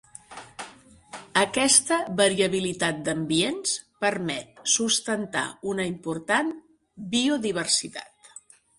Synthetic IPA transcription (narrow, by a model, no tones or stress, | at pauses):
əkɛst̪əβəɾiəβilit̪at̪̚d̪əmbienspəɾmɛt̪̚sust̪ənt̪a̰unəimpuɾt̪an | bioðiβ̞ərsit̪a̰t̪